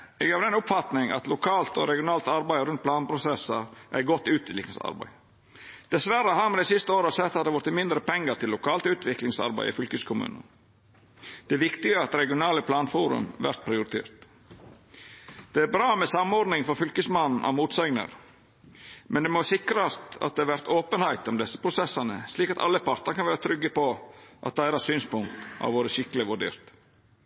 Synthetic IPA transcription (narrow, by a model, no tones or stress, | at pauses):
ɛːɡɑʋd̪ɛnʊpfɑt̪nɪŋɑ̰t̪lʊkʰɑːlt̪ɔ̰ɾɛɡɪʊnɑːlt̪ɑɾbæɪɾʉnt̪̚pʰlɑːnpʰɾʊsɛsəɾʔæ̰ɪɡɔt̪ːʉːt̪ʰlɪksɑ̰ɾbæ̰ɪ | d̪̥ɛsʋæɾəɦɑmɛd̪ɛsɪst̪əoːɾəɑsɛt̪ːhɑd̪ɛʋʊɾt̪ːəmɪnd̪ɾəpʰɛŋːəʈ̪ʰɪlːʊkʰɑːlt̪ʉːt̪ʰʋɪklɪŋsɑ̰ɾbæ̰ɪɪ̰fʏlkəskʰʊmʉ̰ːnə̰ | d̪̥ɛæːʋɪkt̪ɪɡəɑt̪ɾɛɡɪʊnɑːləpʰlɑːnfuːɾʉ̰mʋæ̰ɾt̪̚pʰɾɪʊɾɪt̪ʰḛːɾt̪ | d̪̥ɛæɾbɾɑːmɛsɑmɔɾd̪nɪŋfɔɾfʏlkəsmɑnn̩ʔɑ̰muːt̪sæɪɡnə̰ɾ | mɛnd̪ɛmɔsɪkɾɑst̪ɑ̰t̪̚d̪ɛæɾʋæɾt̪oːpənhæɪt̪ɔmd̪ɛsːə̥pʰɾʊsɛsːɑnəsliːkɑt̪ɑ̰lːəpʰɑɾt̪ɑɾkʰɑnʋæːɾət̪ʰɾʏɡːəpɔʔɑ̰t̪̚d̪ææːɾɑsyːnspʊŋk̚t̪ʔɑ̰ʋʋoːɾəʃɪkəlɪʋʉɖḛːɾt̪